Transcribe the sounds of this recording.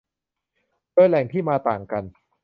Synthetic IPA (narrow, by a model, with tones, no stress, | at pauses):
doː˧jlɛ˨˩˦ŋt̪ʰiː˥˩maː˧t̪a̰ː˨˩ŋka˧n